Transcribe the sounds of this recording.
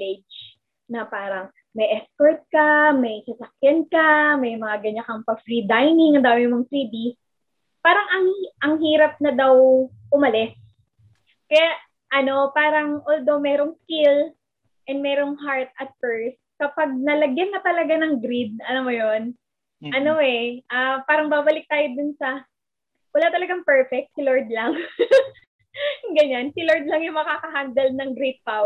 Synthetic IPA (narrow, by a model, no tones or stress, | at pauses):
ɪd͡ʒ | nɐpaːɾɐŋ | mɐjʔɛskoɹt̪̚kɐmɐjsɐsɐkjɐnkɐmɐjmɐŋaɡɐɲɐkɐŋpɐɡfɾid̪ajnɪŋɐnd̪aːmɪmoŋt̪ɾiːd̪i | paːɾɐŋʔɐŋʔɐŋɦiːɾɐp̚nɐd̪ɐwʔʊmɐlɛs | kɐjaʔ | ʔɐno̞paːɾɐŋʔold̪o̞mɛːɾo̞ŋskɪl | ʔɛnd̪mɛːɾo̞ŋɦaɹt̪̚ɐt̪̚pɛɹs | kɐpɐɡ̚nɐlɐɡjɐnːɐt̪ɐlɐɡanɐŋɡɾid̪̚ɐnomojon | ʔɐnoɛʔapaːɾɐŋbaːbɐlɪk̚t̪aːjod̪ʊnsɐ | wɐlaːt̪ɐlɐɡaŋpɛɹfɛk̚t̪̚sɪloɹd̪lɐŋ | ɡɐɲansɪloɹd̪̚lɐŋjʊŋmɐkaːkɐɦand̪ɐlnɐŋɡɾid̪̚paw